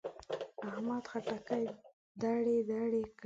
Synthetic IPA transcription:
ahmad̪xaʈakaj | d̪aɽed̪ɑɽek

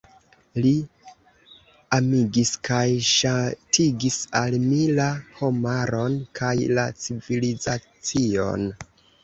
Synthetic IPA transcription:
li | amiɡiskʰajʃatʰiɡisalmilaho̞maɾo̞nkʰajla̰t͡siviliza | t͡sio̞̰n

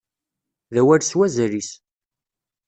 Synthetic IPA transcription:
ðæwæɾswæzɾis

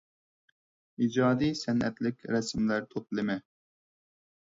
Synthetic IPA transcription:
id͡ʒɑːd̪isɛnɛ̰t̪lɪkʲɾɛsmlæɾt̪ʰot̪̚lˠɨmɛ

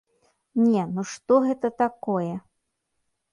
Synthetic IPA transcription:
nʲɛnuʂt̪ɔɣɛt̪ɐt̪akɔjɛ

